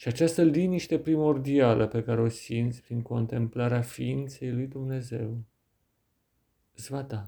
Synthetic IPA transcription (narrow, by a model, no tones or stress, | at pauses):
ʃiat͡ʃast̪əliniʃt̪e̞pɾimo̞rd̪ialʔəpe̞kaɾe̞o̞sint̪sʲpɾiŋko̞nt̪e̞mplaɾeafiint̪se̞jlujd̪umne̞ze̞w | zvat̪a